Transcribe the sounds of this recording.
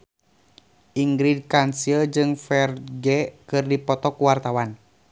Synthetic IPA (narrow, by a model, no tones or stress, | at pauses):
ʔiŋɡɾid̚kansiəd͡ʒɨŋfɛrɡɛkɨrdipɔt̪ɔkuwart̪awan